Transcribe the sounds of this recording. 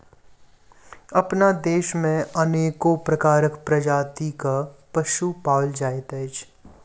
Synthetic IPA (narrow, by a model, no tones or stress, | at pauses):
ɐpnad̪eːʃmẽɐneːkopɾɐkaːɾəkpɾɐd͡ʒaːt̪ikapɐʃupaːld͡ʒaːet̪ɛːd͡ʒ